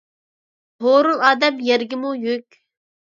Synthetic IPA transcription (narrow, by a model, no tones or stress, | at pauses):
hoɾulˠɑːd̪ɛmjɛɾɡʲɪmujykʲ